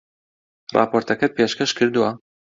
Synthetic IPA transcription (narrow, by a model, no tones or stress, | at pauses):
rˤɑ̰ːpoːɾt̪ʰɐkɛt̪̚pʰeːʃkɛʃkʰɨɾd̪uwɐ